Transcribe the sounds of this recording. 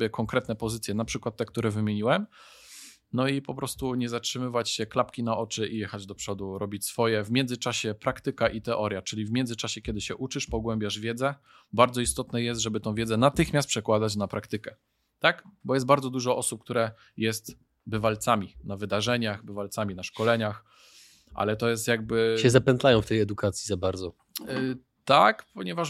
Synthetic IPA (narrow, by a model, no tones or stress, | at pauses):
jɛkɔŋkɾɛt̪nɛpɔzɘt̪sʲjɛnapʂɘkwat̪ːɛkt̪uɾɛvɘmʲjeɲiwɛm | nɔipɔpɾɔst̪uɲɛzatʂɘmɘvat͡ɕɕɛklapkʲinaʔɔt͡ʂɘʔijɛxad͡ʑd̪ɔpʂɔd̪uɾɔbʲit͡ɕsfɔjɛvmʲjɛnd̪zɘt͡ʂaɕɛpɾakt̪ɘkaʔit̪ɛʔɔɾjat͡ʂɘlʲivmʲjɛnd̪ɘt͡ʂaɕɛkʲjɛd̪ɘɕɛʔut͡ʂɘʂpɔɡwɛmʲbʲjaʐvʲjɛd̪zɛ | baɾd̪zɔist̪ɔt̪nɛjɛst̪ʐɛbɘt̪ɔ̃w̃vʲɛd̪zɛnat̪ɘxmʲast̪pʂɛkwad̪at͡ɕnapɾakt̪ɘkɛ | t̪akbɔjɛst̪baɾdzɔd̪uʐɔʔɔsup̚k̚t̪uɾɛ | jɛst̪ | bɘvalt̪samʲinavɘd̪aʐɛɲaxbɘvalt̪samʲinaʂkɔlɛɲax | ʔa̰lɛt̪ɔjɛst̪jaɡ̚bɘɕɛzapɛnt̪lajɔ̃w̃ft̪ɛjɛd̪ukat̪sʲjizabaɾd̪zɔ | t̪akpɔɲɛvaʂ